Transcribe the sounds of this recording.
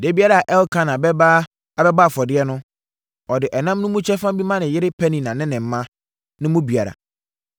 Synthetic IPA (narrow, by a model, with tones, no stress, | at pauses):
de˦bi˦a˦ɾa˨ʔɛ˦lkʰã˦nã˨bɛ˦ba˦ | a˨bɛ˦baː˦˨fɔ˨dɪ˦ɛ˦nʊ̃˦ | ɔ˨dɪ˨ʔɛ˨nã˦mnʊ̃˦mũ˦t͡ɕʰɛ˦fã˦bi˦mã˦nɪ̃˨jɪ˦ɾɪ˦pʰæ˦nĩ˨nã˨nɪ̃˦nɪ̃˨m̩˨˦mã˦ | nɪ̃˦mũ˦bi˨a˨ɾa̰˨